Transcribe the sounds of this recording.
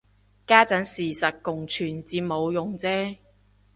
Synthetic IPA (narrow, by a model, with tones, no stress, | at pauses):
kaː˥t͡sɐ˨˥nsiː˨˩sɐ˨t̚kʊ˨˩ŋt͡ʃʰyː˨˩nt͡siː˧p̚mo˨˧wjʊ˨ŋt͡sɛː˥